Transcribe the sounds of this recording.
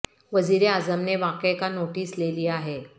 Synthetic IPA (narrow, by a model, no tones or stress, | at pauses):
ʋəd͡ziɾead͡zəmneʋakəjkanoʈiːsleliːaɦe